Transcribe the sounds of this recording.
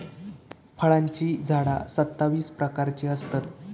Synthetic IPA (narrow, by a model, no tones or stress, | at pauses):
fʰəɭãɲt͡ɕiːd͡zʱaɽa̰sət̪ːaʋiːspɾəkaɾt͡ɕiːəst̪at̪̚